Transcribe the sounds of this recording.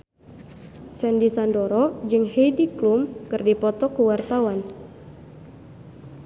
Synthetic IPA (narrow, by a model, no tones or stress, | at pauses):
sɛndisandoɾɔd͡ʒɨŋɦejdiklumkɨrdipɔt̪ɔkuwart̪awan